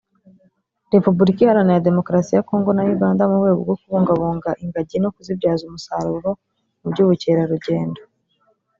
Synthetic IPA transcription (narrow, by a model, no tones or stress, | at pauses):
ɾe̞pubuɾikiihaɾanejade̞mo̞kɾasijako̞ːŋɡo̞najuɡaːndamuβɡeːɡo̰ɡo̞kuβuːŋɡaβuːŋɡaʔiŋɡaɟino̞kuzibɟaːzumusaɾuɾo̞ | ubɟuːβuceɾaɾuɟe̞ːndo